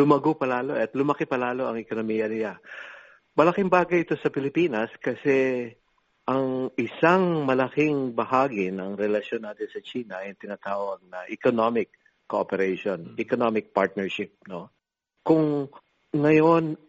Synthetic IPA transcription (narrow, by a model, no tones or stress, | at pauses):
lʊmɐɡopɐlaːlo̞ʔɐt̪lʊmɐkɛpɐlaːlo̞ʔɐŋɛkonomiːjɐnɪla | mɐlɐkɪŋbaːɡɐjɪt̪o̞sɐpɪlɪpiːnɐskɐsɛ | ʔɐŋʔɪsaŋmɐlɐkɪŋbɐhaːɡɪnɐŋɾɛlɐʃjo̞nːaːt̪ɪnsɐt͡ʃiːnɐɐjʊŋt̪ɪnat̪aːwɐɡ̚nɐʔɛkonomɪkː | oʔopɛɾɛjʃonʔɛkonomɪk̚paɹt̪̚nɛɹʃɪp̚no̞ | kʊŋ | ŋɐjo̞n